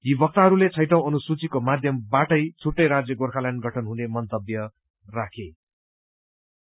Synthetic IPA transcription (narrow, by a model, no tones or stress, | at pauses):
jibʱʌk̚t̪aɦʌɾulet͡sʰʌjʈʌ̃w̃ʌnusut͡sikomad̪ʱjʌmbaʈʌjt͡sʰuʈːʌjɾad͡zjʌɡorkʰalanɡʱʌʈʰʌnɦunemʌnt̪ʌbjʌ | rakʰe